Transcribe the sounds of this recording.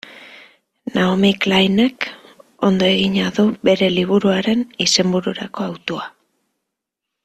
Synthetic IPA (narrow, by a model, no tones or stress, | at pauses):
naomiklajneko̞nd̪o̞e̞ɣiɲaðuβe̞ɾe̞liβ̞uɾuaɾe̞nise̞mbuɾuɾako̞awt̪oa